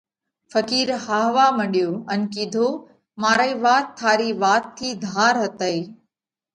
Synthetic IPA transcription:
fəkiːɾhaːɦʋaːməɗijoːən̆kiːd̪ʱoː | maːɾəiːʋaːt̪ʰːaːɾiːʋaːt̪ʰːiːd̪ʱaːɾɦət̪əiː

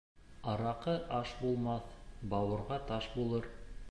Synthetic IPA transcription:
ɑɾɑqɤʔɑʃbulˠmɑθbɑwɤ̆ɾʁɑt̪ɑʃbulˠɤɾ

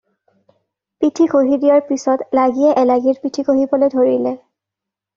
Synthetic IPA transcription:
pitʰikoɦidijɔɹpisɔtlaɡiɛʔɛlaɡiɹpitʰikoɦibɔlojdʱoɹilɛ

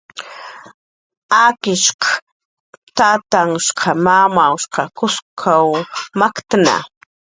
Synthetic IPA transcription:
akɪʃqɑ̥ | t̪aːt̪aŋʃqʰɑmamawʃqɑkʊskʰawmakt̪ana̰

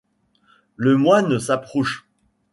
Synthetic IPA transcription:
ləmwanəsapχɔʃ

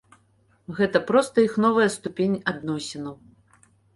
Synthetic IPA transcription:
ɣɛt̪ɐpɾɔst̪ɐixnɔvɐjɐst̪upʲenʲad̪nɔsʲɛnɐw

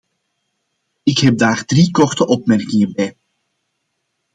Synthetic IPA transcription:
ɪkɦɛb̚daːrdrikɔrtəʔɔpmɛrkɪŋəbɛj

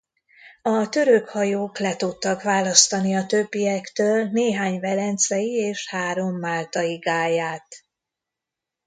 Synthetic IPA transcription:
ɒt̪ø̞ɾøkhɒjoːklɛt̪ut̪ːɒkʋaːlɒst̪ɒniɒt̪øbːijɛkt̪øːlneːɦaːɲvɛlɛnt̪sɛjieːʃhaːɾo̞mːaːlt̪ɒjiɡaːjaːt̪

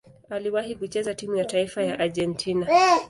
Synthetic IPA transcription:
aliwahikut͡ʃɛzatimujataifajaʔaʄɛntʰina

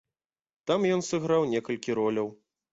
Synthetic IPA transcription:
t̪amjɔnsɨɣɾawnʲɛkɐlʲkʲiɾɔlʲɐw

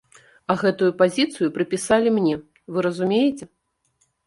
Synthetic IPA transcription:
ɐɣɛt̪ujupazʲit̪sɨjupɾɨpʲisalʲimnʲɛ | vɨɾɐzumʲejɛt͡sʲɛ

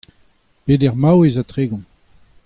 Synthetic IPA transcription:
pedɛʁmawezat̪ʁeːɡɔ̃

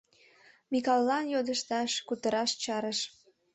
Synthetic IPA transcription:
mikɑlːɑnjod̪əʃt̪ɑʃkut̪əɾɑʃt͡ɕɑɾəʃ

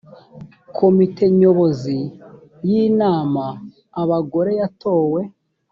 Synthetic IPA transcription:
kʰo̞mite̞ɲo̞βo̞zi | jinaːmaː | βaɡo̞ɾe̞jato̞ːwe̞

